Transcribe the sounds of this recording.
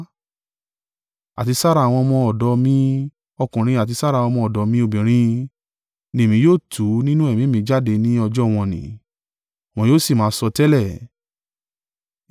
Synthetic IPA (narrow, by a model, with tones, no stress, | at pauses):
a̰˨ti˧sa˦ɾa˧˨w̃ɔ̃˧mɔ̃˧ɔ˨dɔ˧mĩ˦ | ɔ˧kũ˨ɾ̃ĩ˧a˨t̬i˧sa˦ɾa˧˨w̃ɔ̃˧mɔ̃˧ɔ˨dɔ˨˧˦mĩ˦o˦˨bĩ˨ɾ̃ĩ˧ | nĩ˦e˨mĩ˧˦joː˦˨tʰu˨˦nĩ˦nũ˦ɛ˦˨mĩ˨˦˨mĩ˧˦d͡ʒa˦˨de˧nĩ˦ɔ˧d͡ʒɔ˦w̃ɔ̃˧nḭ̃˨˦˨ | w̃ɔ̃˧˦joː˦˨si˦˨mãː˨˦sɔ˧tɛ˦lɛ˦˨